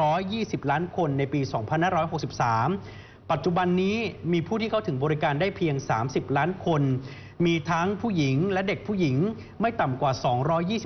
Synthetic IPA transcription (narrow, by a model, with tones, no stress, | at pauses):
ɔː˦˥jːiː˥˩si˨˩p̚laː˦˥nkʰo˧nːa˧jpiː˧sɔː˩˦ŋpʰa˧nhaː˥˩ɾɔː˦˥jɦo˨˩k̚si˨˩p̚saː˩˦m | pa˨˩t̪̚t͡ɕu˨˩ba˧nːiː˦˥miː˧pʰu˥˩iː˥˩a˥˩t̪ɯ˩˦ŋbɔː˧ɾi˦˥kaː˧ndaː˥˩jpʰi˧əŋsaː˩˦msi˨˩p̚laː˦˥nkʰo˧n | miː˧t̪ʰa˦˥ŋpʰuː˥˩ji˩˦ŋlɛ˦˥de˨˩k̚pʰuː˥˩ji˩˦ŋ | ma˥˩jt̪a˨˩mkwaː˨˩sɔː˩˦ŋɾɔː˦˥jːiː˥˩si˨˩